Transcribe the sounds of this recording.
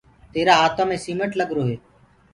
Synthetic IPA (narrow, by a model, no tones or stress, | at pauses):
t̪eːɾaːɦaːt̪ʰãːmẽːsiːməʈləɠɾoːɦeː